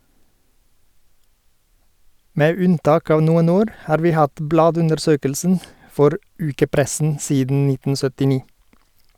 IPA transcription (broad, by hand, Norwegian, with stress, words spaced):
ˈmeː ˈʉnˌtɑːk ˈɑːʋ ˈnuːən ˈoːɾ ˈhɑːɾ ˈʋiː ˈhɑt ˈblɑːdʉndəɾˌsøːkəlsn̩ ˈfɔɾ ˈʉːkəˌpɾɛsn̩ ˈsiːdn̩ ˈnɪtn̩ sœtɪˈniː